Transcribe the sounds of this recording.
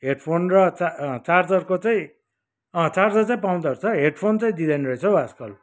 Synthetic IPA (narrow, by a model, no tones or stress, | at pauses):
ɦeɖpʰonrʌt͡sat͡sard͡zʌrkot͡saĩ | ʌt͡sard͡zʌrt͡saĩpaw̃d̪aɾut͡sʰʌɦeɖpʰont͡saĩd̪id̪ʌnɾʌet͡sʰʌwaskʌl